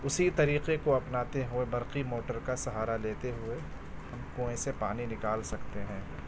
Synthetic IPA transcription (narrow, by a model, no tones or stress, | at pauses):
ʊsit̪ɐɾiːqekoɐpnaːt̪eɦʊebɐɾqimoːʈəɾkasɐɦaːɾaleːt̪eɦʊe | hɐmkõːẽsepaːninɪkaːlsɐkt̪eɦɛ̃ː